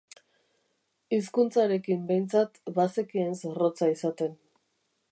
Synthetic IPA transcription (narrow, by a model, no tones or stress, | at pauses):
is̬kunt͡saɾe̞kimbe̞jnt͡sat̪basekiensero̞t͡saisat̪e̞n